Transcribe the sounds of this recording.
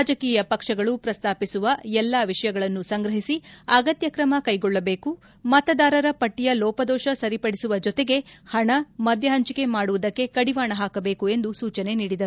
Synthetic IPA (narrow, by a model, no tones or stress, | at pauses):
aːd͡ʒɐkiːjɐpɐkʂɐɡɐɭupɾɐst̪aːpisuʋɐɛlːaʋiʂɐjɐɡɐɭɐnːusɐŋɡɾɐɦisiɐɡɐt̪jɐkɾɐmɐkɐjɡɔɭːɐbeːku | mɐt̪ɐd̪aːɾɐɾɐpɐʈːijɐlɔːpɐd̪ɔːʃɐsɐɾipɐɽisuʋɐd͡ʒɔt̪e̞ɡe̞hɐɳɐmɐd̪ʱjɐɦɐɲt͡ʃike̞maːɽuʋud̪ɐkːe̞kɐɽiʋaːɳɐɦaːkɐbe̞ːkue̞nd̪usuːt͡ʃɐne̞niːɽid̪ɐɾu